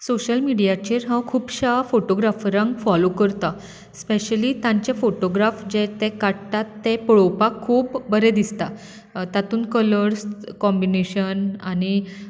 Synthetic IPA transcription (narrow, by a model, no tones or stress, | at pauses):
soɕəlmiɽijat͡ɕiɾɦãwkʰuːbɕafoʈoɡɾafɾãŋɡfɔlokəɾt̪a | speɕəlit̪ãɲt͡ɕefoʈoɡɾafd͡ʑet̪ekaɽt̪at̪ːẽpɭowpakʰuːpːəɾɛd̪ist̪a | t̪at̪uːnkələɾskɔmbineɕənañi